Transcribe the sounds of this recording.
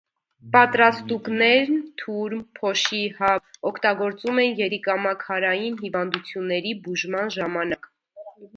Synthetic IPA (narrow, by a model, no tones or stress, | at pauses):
pɑt̪ɾɑst̪uknɛɾnt̪ʰuɾmpʰɔʃihɑɔkʰt̪ɑɡɔɾt͡sumɛnjɛɾikɑmɑkʰhɑɾɑjinɦivɑnd̪ut͡sʰjunːɛɾibuʒmɑnʒɑmɑnɑk